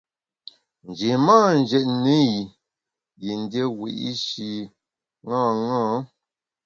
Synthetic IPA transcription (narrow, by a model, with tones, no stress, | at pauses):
n˨d͡ʒi˨maː˦n˨d͡ʒɛ˨tne˦ji˨ | ji˨n˨˦dje˦wḭ˨ʔi˦ʃi˨ | ŋãː˦˨ŋãː˦